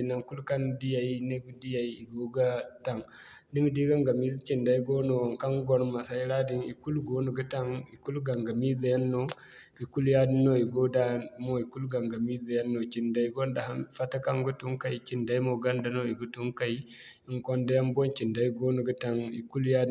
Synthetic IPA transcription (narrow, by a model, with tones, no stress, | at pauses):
na˨ŋku˦lka˦ndi˦ja˨ji˦ne˦ɡu˦di˦ja˨i˦i˨ɡo˦ɡa˦ta˨ŋ | di˦m˨di˦ɡa˦ŋɡa˨mi˦zi˦t͡ʃi˨nda˨i˦ɡo˦no˨wa˨ŋka˦ŋɡo˨˦nma˨sa˨i˦ɾa˦di˨nḭ˨ku˦lɡo˦nu˨ɡu˦ta˦ŋi˨ku˦lɡa˨ŋɡa˨mi˦za˨ja˦nːo˦ | i˨ku˦lja˦di˦no˦i˨ɡo˦da˦mo˦i˨ku˦lɡa˨ŋɡa˨mi˦za˨ja˦nːo˨t͡ʃi˨nda˨i˦ɡo˦nda˨ha˦nfa˦ta˦ka˦ŋɡu˦tu˦ŋka˦˨jt͡ʃi˨nda˦i˦mo˨ɡa˦nda˨no˦i˨ɡu˦tu˦ŋka˦˨i˦ | i˦˨ŋko˦nda˦ja˦mbo˦nt͡ʃi˨nda˦i˦ɡo˦nu˨ɡu˦ta˨ŋi˨ku˦lja˦d